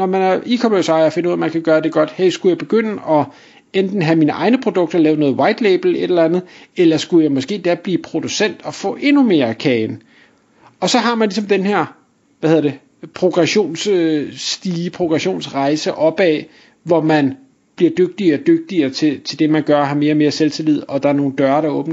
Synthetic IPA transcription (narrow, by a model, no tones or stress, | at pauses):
nɒmænæʔikʰɔmøsɑ̈ɪɐɐfe̝nəuð̰ˠɐmænkʰæɡ̥ɶːɐd̥e̝ɡ̥ɒ̽d̥heɐsɡ̥ujɑɪb̥e̝ɡ̥øn̰əʔɒ̽ | end̥n̩ɦæmiːnəʔɑ̈ɪnəpʰʁo̝d̥ɔ̽ɡ̥̚d̥ɐlɛːʊnɔ̽ːð̩ˠwɑ̈ɪd̥leɪb̥l̩e̝delænð̩ˠelɐsɡ̥ujɑ̈ɪmɔ̽sɡ̥e̝̰ːd̥æɐb̥liːpʰʁo̝d̥usen̰d̥ɒ̽fɔ̰̽ːʔe̝nume̝ːɐkʰɛːn | ɒ̽sɒ̽ɦɑ̈mænlisɒ̽md̥enheɐ̰ | ʋæheðˠɐd̥e̝ | pʰʁo̝ɡ̥ʁɛɕo̝̰ːns | d̥iːpʰʁo̝ɡ̥ʁɛɕo̝̰ːnsʁɑ̈ɪsəʔɒ̽b̥ɛ̰ː | ʋɒmæn | b̥liɐd̥øɡ̥̚d̥iɐːd̥øɡ̥̚d̥iɐːt͡sʰe̝t͡sʰe̝ld̥e̝mænɡ̥ɶɐɦɑ̈me̝ːɐme̝ːɐselt͡sʰelið̰̩ˠɒ̽d̥ɑ̈æɐno̝ːn̩d̥ɶɐɐɾɑ̈ɔ̽ːb̥n̩